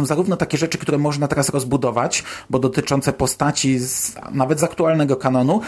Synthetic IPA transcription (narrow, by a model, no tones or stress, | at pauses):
ɔ̃w̃zaɾuvnɔt̪akʲɛʐɛt͡ʂɘ̥kt̪uɾɛmɔʐnat̪ɛɾasɾɔzbud̪ɔvat͡ɕbɔd̪ɔt̪ɘt͡ʂɔnt̪sɛpɔst̪at͡ɕiznavɛd̪zakt̪ualnɛɡɔkanɔnu